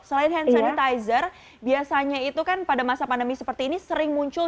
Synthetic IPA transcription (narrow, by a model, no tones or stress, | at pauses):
səlaɪt̪hɛnsanit̪ajzər | biasaɲait̪ukanpadamasapandəmisəpərt̪iːnisəɾɪŋmuɲt͡ʃʊ